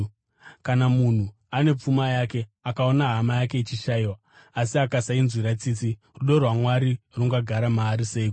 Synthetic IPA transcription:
kanamun̤u | ane̞p͡fumajake̞akao̞naɦamajake̞it͡ʃiʃaiwaː | siakasainzwiɾat͡sit͡si | ruɗo̞rwamwaɾiruŋɡaɡʱaɾamaːɾise̞ik

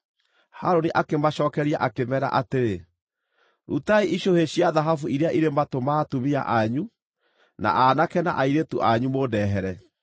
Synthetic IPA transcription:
haɾoniʔakemaɕɔːkɛɾia̰ʔakemɛɾa̰ʔateɾe | ɾṵtaiʔiɕoheɕiaðaɦafuiɾeaʔiɾematomaːtumia̰ʔaɲu | na̰ʔaːnakɛna̰ʔaiɾetuʔaɲumodɛɦɛɾɛ

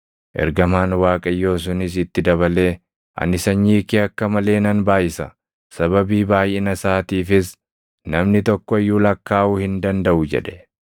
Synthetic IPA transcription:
ʔɛ̰ɾɡɐmaːnwaːkʼɐjːo̞ːs̬ʊnɪs̬ɪt̪ːɪd̪ɐβɐle̞ː | ʔɐ̰nɪsɐɲːiːkiːɐkːɐmɐle̞ːnɐnbaːjɪsɐ | sɐβɐbiːbaːjʔɛnɐsaːt̪iːfɪs | nɐmnɪt̪ɔkːɔɪjːuːlɐkːaːʔuhɪnd̪ɐnd̪ɐʔʊd͡ʒɛ̰ᶑɛ̥

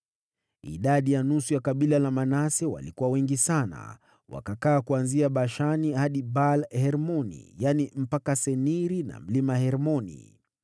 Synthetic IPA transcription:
ḭɗaɗijanusujakaɓilalamanasɛwa̰likuwawɛŋɡisana̰ | wa̰kakaːkuanziaɓaʃanihaɗibalhɛɾmɔnḭjanim̩pakasɛniɾina̰m̩limahɛɾmɔnḭ

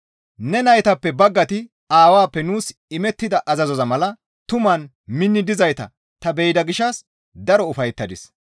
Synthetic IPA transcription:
nɛnɐjt̪ɐpːɛbɐɡːɐt̪ɪ | aːwaːpːɛnuːsɪmɛt̪ːɪd̪ɐʔɐzɐzɔzɐmɐlɐ | t̪ʊmɐn | mɪnːɪd̪ɪzɐjt̪ɐ̰ | t̪ɐbɛjd̪ɐɡɪʃːɐs | d̪ɐɾɔʊfɐjt̪ːɐd̪ɪs

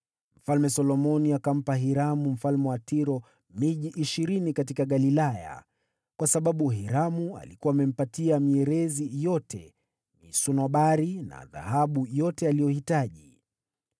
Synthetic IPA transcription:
m̩falmɛsɔlɔmɔniakam̩paɦiɾamum̩falmɛwatiɾɔ | miʄiʔiʃiɾinikatikaɠalilaja̰ | kwasaɓaɓuɦiɾamua̰likuwaːmɛm̩patiamiɛɾɛzijɔtʰɛ̰ | nḭsunɔɓaɾina̰ða̰haɓujɔtɛalijɔhitaʄi

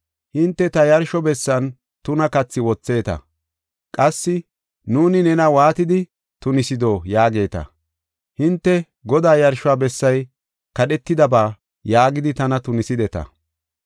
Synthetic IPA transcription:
hɪnt̪ːɛt̪ɐjɐɾʃɔbɛsːɐn | t̪ʊnɐkɐt͡sːɪwɔt͡sːe̞ːt̪ɐ̰ | kʼɐsːɪ | nuːnɪnɛnɐwaːt̪ɪd̪ɪ | t̪ʊnɪsɪd̪oːjaːɡe̞ːt̪ɐ̰ | hɪnt̪ːɛ | ɡɔd̪aːjɐɾʃʊaːbɛsːɐj | kɐɗɛt̪ːɪd̪ɐbaː | jaːɡɪd̪ɪt̪ɐnɐt̪ʊnɪsɪd̪ɛt̪ɐ̰

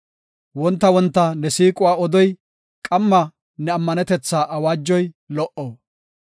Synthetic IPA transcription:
wɔnt̪ːɐwɔnt̪ːɐnɛsiːkʼʊwaːɔd̪ɔj | kʼɐmːɐ | nɛɐmːɐnɛt̪ɛt͡sːaːʔɐwaːd͡ʒːɔj | lɔʔoː

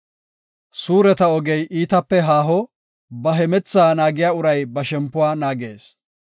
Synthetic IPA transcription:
suːɾɛt̪ɐɔɡɛjʔiːt̪ɐpːɛɦaːɦɔ | bɐɦɛmɛt͡sːaːnaːɡɪjaːʊɾɐjbɐʃɛmpːʊwaːnaːɡeːs

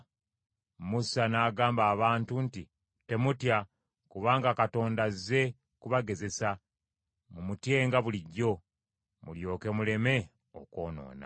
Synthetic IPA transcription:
musanaːɡaːmbaːβaːntunti | te̞mutja | kuβaːŋɡakato̞ːndaze̞ | kuβaɡe̞ze̞sa | mumutje̞ːŋɡaβuliɟːo̞ | muljo̞ːke̞mule̞me̞ | o̰ko̞ːno̞̰ːna̰

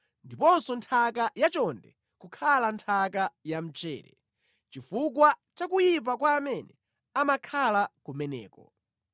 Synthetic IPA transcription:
ndipɔnsɔntʰakajat͡ʃɔndɛ | kukʰalantʰakajam̩t͡ʃɛ̰ːɾɛ̰ | t͡ʃifuk̬wat͡ʃak̬ujip̬akwaːmɛnɛ | amakʰalakumɛnɛ̰ːkɔ

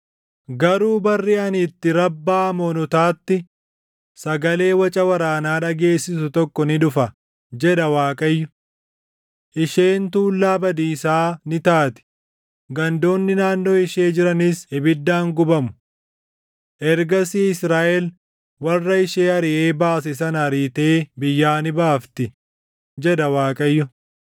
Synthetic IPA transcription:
ɡɐɾuːbɐrːɪɐnɪt̪ːɪɾɐbːaːmɔnʊt̪aːt̪ːɪ | sɐɡɐle̞ːwɐt͡ʃʼɐwɐɾaːnaːᶑɐɡe̞ːsːɪsʊt̪ɔkːɔnɪᶑʊfɐ | d͡ʒɛɗɐwaːkʼɐjːʊ | ʔɪʃe̞ːnt̪uːlːaːbɐd̪iːsaːnɪt̪aːt̪ɪ̥ | ɡɐnd̪o̞ːnːɪnaːnːo̞ːɪʃe̞ːd͡ʒɪɾɐnɪsɪbɪd̪ːaːŋɡʊbɐmʊ̥ | ʔɛɾɡɐsiːɪsɾaːʔɛl | wɐrːɐɪʃeːɐɾɪʔeːbaːsɪs̬ɐnɐɾiːt̪eːbɪjːaːnɪbaːft̪ɪ | d͡ʒɛᶑɐwaːkʼɐjːʊ

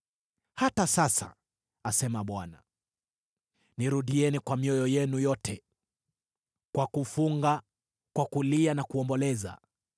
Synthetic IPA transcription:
hatasasa̰ | asɛmaɓwana̰ | niɾuɗiɛnikwamiɔjɔjɛnujɔtʰɛ | kwakufuŋɡa | kwakulianakuɔmbɔlɛza̰

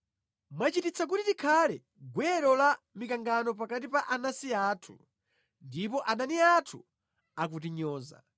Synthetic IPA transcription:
mat͡ʃitit͡sʰak̬utitikʰalɛ | ɡwɛɾɔla | mikaŋɡanɔp̬akatipaʔanasiaːtʰu | ndipɔʔaɗaniatʰu | ak̬ut̬iɲɔːza̰

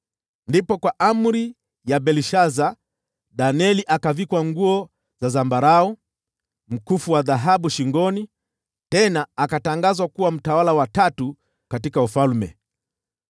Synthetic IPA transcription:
ndipɔkwaʔam̩ɾi | jaɓɛliʃaza | ɗaniɛliʔakavikwaŋɡuɔ | zazambaɾaɔ | m̩kufuwaðaɦaɓuʃiŋɡɔni | tɛnaːkataŋɡazwakuwam̩tawalawatatu | katikaufalmɛ̰

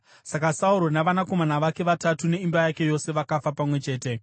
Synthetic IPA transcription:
sakasauɾo̞naʋanako̞manaʋake̞ʋatatune̞imbajake̞jo̞se̞ʋakafapamwe̞t͡ʃe̞ːte̞

